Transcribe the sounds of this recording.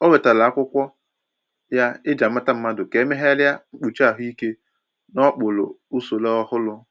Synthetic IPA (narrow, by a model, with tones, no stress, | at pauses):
o˦we˨ta˨la˨a˦kʷʊ˦kʷɔ˦ | ja˦ɪ˦d͡ʒa˨m̩˦ma˦ta˦m̩˦ma˦dʊ˨ke˨˦me˦ɦe˦la˦ŋ͡m̩˦k͡pu˨t͡ʃa˨ɦi˦ke˦ | nɔ˦k͡pʊ˨lʊ̰˨u˦so˨le˦ɔ˦hʊ˦lʊ˦